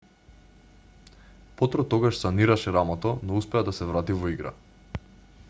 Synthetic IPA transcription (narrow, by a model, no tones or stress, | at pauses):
pɔt̪ɾɔt̪ɔɡaʃsaniɾaʃɛɾamɔt̪ɔnɔuspɛad̪asɛvɾat̪ivɔiɡɾa̰